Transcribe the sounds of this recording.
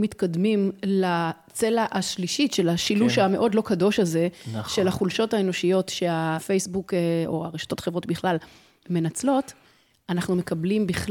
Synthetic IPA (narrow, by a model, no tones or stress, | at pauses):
mitkad̪mimla | t͡se̞laʔaʃliʃiʃe̞laʃiluʃame̞ʔo̞dlo̞kado̞ʃalze̞ʃe̞laχulʃo̞thae̞no̞ʃijo̞tʃe̞afe̞jsbukeo̰aʁeʃḁt̪o̞tχevʁo̞tbiχlal | me̞nat͡slo̞t | anaχnume̞kablimbiχ